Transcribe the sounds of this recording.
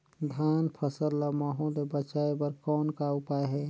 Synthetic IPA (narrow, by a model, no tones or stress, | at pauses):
d̪ʱaːnpʰəsəllamaɦõlebət͡ʃaebəɾkɔːnkaʊpaeɦɛː